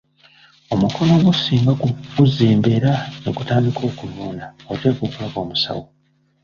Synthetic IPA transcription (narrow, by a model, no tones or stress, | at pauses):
o̞muko̞no̞ɡusiːmbaɡuuziːmbe̞ːɾaneɡutaːndikʰo̞ːkuluːnaote̞ːkukulaβo̞ːmusa̰wo